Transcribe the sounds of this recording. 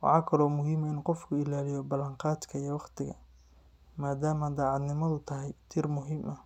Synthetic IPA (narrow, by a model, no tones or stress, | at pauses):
wɑ̰ħɑːkʰɐlɔːmʊɦiːmɐɪnqɔfkʰʊɪlaːlɪjɔbɐlɐɴqɑːd̪kʰɐijɐwɑqt̪ʰɪɣɐ̰ | maːd̪aːmɐd̪aːʕɑd̪nɪmɐðʊt̪ʰɐɦɛjt̪ʰiːrmʊɦiːmʔɐ